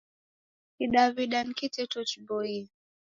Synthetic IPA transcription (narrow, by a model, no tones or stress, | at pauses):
kiɗaviɗankitɛtɔt͡ʃbɔi